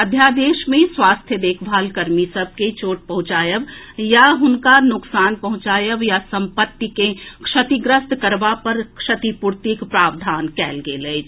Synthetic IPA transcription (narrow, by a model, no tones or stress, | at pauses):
əd̪ʱjaːd̪eːʃmẽswaːst̪ʰjəd̪eːkʰbʱaːlkəɾmisəb̚ʱket͡ʃoːʈ̚pɐɦʊ̃t͡ʃaːjəʋjaɦʊnkanʊksaːnpɐɦʊ̃t͡ʃaːjəʋjasɐ̃mpət̪ːikekʂɐt̪iɡɾəst̪kəɾʋapɐɾkʂɐt̪ipʊɾt̪ikpɾaːʋd̪ʱaːnkɛːlɡeleː